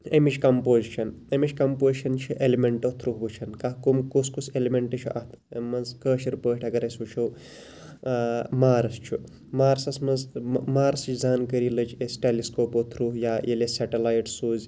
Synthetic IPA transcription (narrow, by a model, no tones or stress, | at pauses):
emit͡ʃʰʲkɐmpoːzt͡ʃʰɐnemit͡ʃʰʲkɐmpoːziʃʰɐnt͡ʃʰiʔelimeɳʈot̪ʰɾuɦbɨt͡ʃʰɐnkakumkuskuselimeɳʈɐt͡ʃʰuʔat̪ʰ | mɐnzkəːʃiɾpəːʈʲʰɐɡɐɾɐsʲut͡ʃʰow | maːɾɐst͡ʃʰu | maːɾsɐsmɐzmaːɾsɨt͡ʃʰʲd͡zaːnkəɾilɐd͡ʒesʲʈeliskoːpot̪ʰɾuɦjaːjeleseʈɐlaːjʈsuːzʲ